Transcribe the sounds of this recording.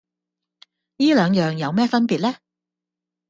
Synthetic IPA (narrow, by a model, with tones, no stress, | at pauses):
jiː˥lœː˨˧ŋjœː˨ŋjɐ˨˧wmɛː˥˩fɐ˥npiː˨t̚lɛː˥